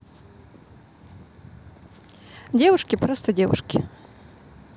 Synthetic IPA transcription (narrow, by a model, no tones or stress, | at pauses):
dʲevʊʂkʲɪpɾost̪ədʲevʊ̰ʂkʲɪ